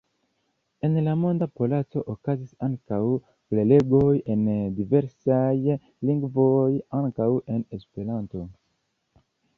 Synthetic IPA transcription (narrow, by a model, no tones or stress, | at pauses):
e̞nlamo̞ndapo̞lat͡so̞ʔokazisaŋkaw | ple̞le̞ɡo̞je̞ndive̞ɾsaj | liŋɡvojaŋkawe̞nespe̞ɾanto̞